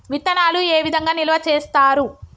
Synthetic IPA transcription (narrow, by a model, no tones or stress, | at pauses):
ʋit̪ːɐnaːlueːʋid̪ʱɐŋɡaːnilɐʋɐt͡ʃeːst̪aːɾu